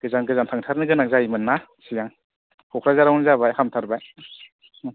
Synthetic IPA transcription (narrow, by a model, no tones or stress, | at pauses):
ɡ̥ɯzaŋɡɯzaŋtʰaŋtʰaɾnɯɡɯnaŋzaimɯnːa | sijaŋ | kʰɔkʰɾazaɾawnzabajhamtʰaɾbaj